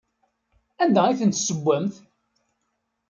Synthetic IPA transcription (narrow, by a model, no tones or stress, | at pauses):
ænd̪æiθənt̪səɡʷːæmθ